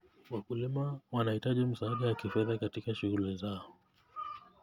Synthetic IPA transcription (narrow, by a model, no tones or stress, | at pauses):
wakulimawanahitaʄim̩saːɗawakifɛðakatikaʃuɣulizaɔ